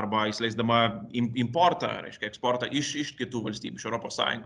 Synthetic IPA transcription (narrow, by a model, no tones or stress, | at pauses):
ɾbaislɛjsd̪ɐmɐimimpɔɾt̪ɐ̰ɾɛ̰ʃkɐɛkspɔɾt̪ɐʔiʃiʃt̪̚kʲet̪uʋɐlʲst̪ḭbiʃoɾɔpɐsa̰j̰n